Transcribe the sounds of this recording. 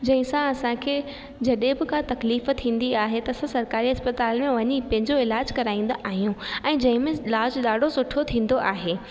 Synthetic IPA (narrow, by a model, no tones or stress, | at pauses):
d͡ʑɐ̃ɦɪ̃sãɐsãkʰeː | d͡ʑɐɗẽbɪkat̪ɐkliːft̪ʰĩːn̆d̪iaːɦet̪ɐsãsɐɾkaːɾiɦɐspɐt̪aːlmẽʋɐɲipɐ̃ɦɪ̃ɲd͡ʑoɪlaːd͡ʑkɐɾaːĩːn̆d̪oʔaːɦijũɛ̃ːd͡ʑɐ̃ɦɪ̃mẽɪlaːd͡ʑɗaːɖʱosʊʈʰot̪ʰĩːn̆d̪oʔaːɦeː